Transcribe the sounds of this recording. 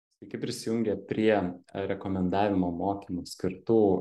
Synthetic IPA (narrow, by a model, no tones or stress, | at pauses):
sʋʲɛɪkʲɪpʲɾʲɪsʲɪjʊŋʲɡʲɛpʲɾʲiɛɾʲɛkoːmʲɛnd̪ɑːʋʲɪmoːmoːkʲiːmuːsʲkʲɪɾt̪uː